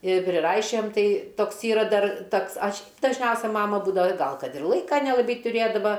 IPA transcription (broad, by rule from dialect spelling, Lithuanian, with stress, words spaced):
ɪr pʲrʲɪˈrɐɪʃʲoːjɛm ˈtɐɪ ˈtoːks ˈiːrɐ ˈdɐr ˈtoːks ˈɐʃʲ dɐʒʲˈnʲɛʊsʲɛ ˈmɑːmɐ ˈbuːdɐʋɐ ˈɡɐlˠ ˈkɐt ɪr ˈlˠɐɪkɐ nʲɛlˠɐˈbɐɪ tʊˈrʲeːdɐʋɐ